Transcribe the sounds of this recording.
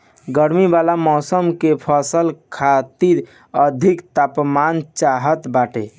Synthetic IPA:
ɡəɾmibalamɔsəmkepʰəsəlkʰat̪iɾ | əd̪ʱikt̪apmant͡ʃaɦət̪baʈe

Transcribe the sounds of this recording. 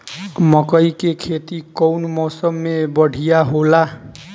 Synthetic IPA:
mʌkʌjkekʰet̪ikʌwnmʌwsʌmːebʌɽʱijaɦola

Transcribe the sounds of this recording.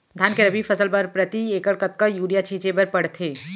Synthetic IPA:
d̪ʱaːnkeɾɐbʱifɐsəlpɐɾpɾɐt̪ieːkəɽkət̪̚kajuːɽijat͡ʃʰiːt͡ʃepɐɾpɐɽt̪ʰeː

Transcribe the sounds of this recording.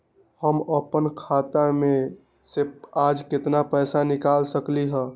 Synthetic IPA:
həməpənkʰat̪amẽ | seaːd͡ʒkɪt̪napɛːsanɪkaːlsəkliɦə̃ː

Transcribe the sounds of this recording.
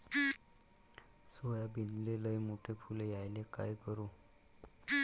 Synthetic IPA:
sojabʱinleləjmoʈʰepʰulejajleka̰jkəɾuː

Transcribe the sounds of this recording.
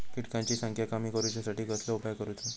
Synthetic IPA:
kiʈkãɲt͡ɕiːsə̃ŋkʰjakamiːkəɾut͡ɕjasaʈiːɡəsləupjakəɾuːt̪e

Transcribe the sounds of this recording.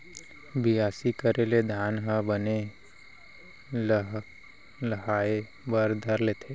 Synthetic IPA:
biaːsikəɾeled̪ʱaːnɦabəne | lɦ | ləɦaːe | bəɾd̪ʱəɾleːt̪ʰe

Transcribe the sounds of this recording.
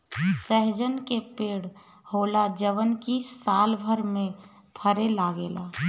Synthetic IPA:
səɦd͡ʒənkepeːɽ | holad͡ʒəʋənkisalbʱəɾmẽ | p̪ʰəɾelaɡeːla̰

